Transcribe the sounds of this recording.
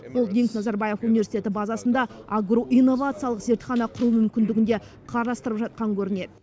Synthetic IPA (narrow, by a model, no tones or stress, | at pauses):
bʊlˠɡ̪ʲiŋk̪nɑzɑɾbɑje̞funivʲe̞si̥t̪ʲe̞t̪ɪbɑzɑsənd̪ɑaɡro̞ʔijnːo̞vat̪sɨijɑlˠəqze̞ɾt̪χɑnɑqʰʊɾumʏmkʲɪnd̪ɪɡʲɪnd̪e̞ | qʰɑɾɑst̪əɾəpʒɑt̪̚qɑŋkʲʰɵɾɪne̞d̪ɪ